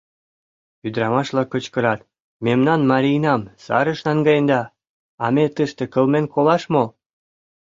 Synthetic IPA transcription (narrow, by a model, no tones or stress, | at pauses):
yd̪ɾɑmɑʃlɑkə̆t͡ɕkə̆ɾɑt̪̚ | memnɑnmɑɾʲijnɑmsɑ̰ɾə̆ʃnɑŋɡɑjənd̪ɑ | ɑmet̪əʃt̪ĕkə̆lmenkʰolɑʃmo